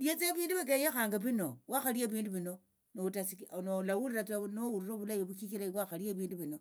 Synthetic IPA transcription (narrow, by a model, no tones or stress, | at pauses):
ljet͡seβiːnduβak̬eɲaxaŋɡaβino̞waxalieβiːnduβino̞ | noutasinolawuliɾat͡sanowuɾiɾoβulajiβukikilaiβwaxalieβiːnduβino̞